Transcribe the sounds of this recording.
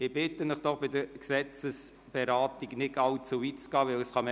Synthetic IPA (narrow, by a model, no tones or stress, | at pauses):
ɪb̥ɪtənɪχd̥ɔχb̥ɪd̪əɾksɛt͡səs | b̥eɾɑːtiɡnɪɡɑwt͡suvitt͡sɡ̥ɑːʋɪləsχɑm